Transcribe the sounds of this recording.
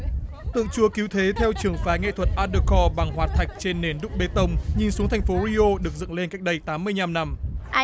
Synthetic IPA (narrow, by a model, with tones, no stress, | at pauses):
t̪ɨ̰˧˨ə˨ŋt͡ɕu˧əki˨˦wt̪ʰe˨˦t̪ʰɛ˧wt͡ɕɨ˨˧˩əŋfaː˨˦ŋḛ˧˨t̪ʰwə˨˩t̚ʔaː˧ɗə˧kɔ˧ɓa˨˩ŋɦwaː˨˩t̚t̪ʰa˨˩jk̟̚t͡ɕe˧nːe˨˩nɗʊ˦˥k͡p̚ɓe˨˦t̪ə˧wŋ͡mɲi˨˩nsu˨˦əŋt̪ʰa˨˩jŋ̟fo˨˦ɾi˧ʔo˧ɗɨ˨˩ək̚zɨ̰˧˨ŋle˧nka˦˥jk̟̚ɗə˧jt̪aː˨˦mːɨ˧əjɲa˧mna˧m